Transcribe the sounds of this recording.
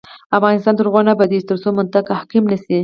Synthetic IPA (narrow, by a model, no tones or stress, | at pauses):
afɣɑnɪst̪ɑnt̪əɾɣwɑnabad̪it͡ʃt̪əɾsomʊnt̪akahkimnasi